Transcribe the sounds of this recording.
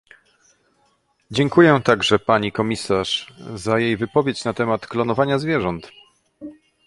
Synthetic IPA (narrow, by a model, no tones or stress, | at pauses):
d͡ʑɛŋkujɛt̪aɡʐɛpaɲikɔmʲisaʂzajejvɘpɔvʲjet͡ɕnat̪ɛmat̪klɔnɔvaɲazvʲjɛʐɔnt̪